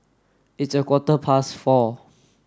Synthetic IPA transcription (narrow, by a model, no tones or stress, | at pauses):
itsəkwɔtəpʰasfɔ